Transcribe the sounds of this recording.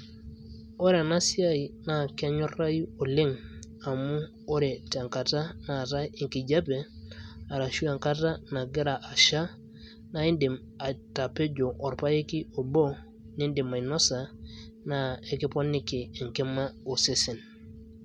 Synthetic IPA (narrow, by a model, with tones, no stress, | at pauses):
o˦ɾe˨na˦si˦a˦i˨na˨ke˦ɲo˦ra˦ji˦o˨li˦ŋ | a˨mu˦ | o˦ɾe˨ta˨ŋka˨ta˦na˨ta˦e˨ŋki˨ɟa˦pe˨a˨ɾa˨ʃu˦a˨ŋka˦ta˦na˨ɡe˦ɾa˨ʔa˨ʃa˦ | na˨˦i˦ndi˨m | a˨ta˨pe˦ɟo˨ʔɔ˨ɾpa˦je˦ki˦o˨bo˦ | ni˦ndi˨ma˨i˨nɔ˦sa˨ | na˨˦e˨ki˦po˦nːi˦kiː˨ŋke˦ma˦o˨se˦si˨n